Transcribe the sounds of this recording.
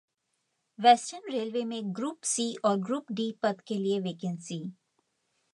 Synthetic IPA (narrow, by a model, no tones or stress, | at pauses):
ʋɛːsʈəɾnɾeːlʋemẽɡɾuːpsiːʔɔːɾɡɾuːpɖiːpɐd̪kelieʋeːkɛ̃nsiː